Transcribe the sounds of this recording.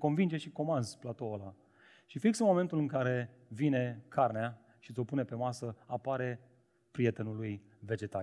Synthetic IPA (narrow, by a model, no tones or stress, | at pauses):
ko̞nvind͡ʒe̞ʃiko̞manzplat̪o̞ola | ʃifiksəmo̞me̞nt̪ulɨŋkaɾe̞ | vine̞kʰarnea | ʃit̪sʲo̞pune̞pe̞masəapaɾe̞ | pɾije̞t̪e̞nuluj | ve̞d͡ʒe̞t̪a